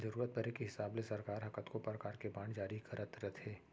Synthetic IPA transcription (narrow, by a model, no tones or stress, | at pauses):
zɐɾuːɾət̪̚bɐɾekeɦɪsaːblesɐɾkaːɾɦɐkət̪kopɾɐkaːɾkebaːɳd͡ʒaːɾikɐɾət̪ɾət̪ɦeː